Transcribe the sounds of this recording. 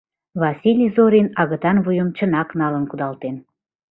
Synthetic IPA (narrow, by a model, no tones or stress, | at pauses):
vɑsʲilʲizoɾʲinɑɣə̆t̪ɑnβujəmt͡ɕə̆nɑknɑlə̆nkud̪ɑlt̪en